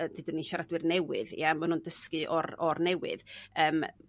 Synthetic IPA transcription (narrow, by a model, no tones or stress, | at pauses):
ədɪdʊniʃaɾadwɨrnɛwɨ̰ðj̰amanhundəskɨʔɔrɔrnɛwɨ̰ðəːm